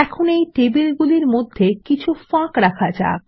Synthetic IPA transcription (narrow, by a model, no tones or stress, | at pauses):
ɛkʰonejʈebilɡuliɾmod̪ʱːekit͡ɕʰufãkɾakʰad͡ʑa̰